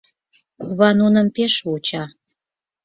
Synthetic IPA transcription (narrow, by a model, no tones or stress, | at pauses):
kuβɑnunəmpeʃut͡ɕɑ